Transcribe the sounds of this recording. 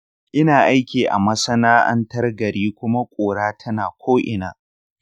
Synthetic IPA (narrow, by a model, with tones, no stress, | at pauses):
ʔɪ˦naː˨ʔa˦jkʲiː˨ʔa̰˨mɐ˦sɐ˦naː˦ʔɐ̰˦ntɐ˦rɡɐ˨ɽiː˦kʷʊ˦ma˦kʷʼoː˨ɽaː˦tʰɐ˦naː˨kʷʰoː˦ʔɪ̰˨naː˨